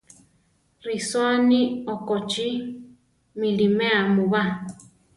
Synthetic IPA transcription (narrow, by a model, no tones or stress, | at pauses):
ɾisoniɔkɔt͡ʃi | milimeamuβa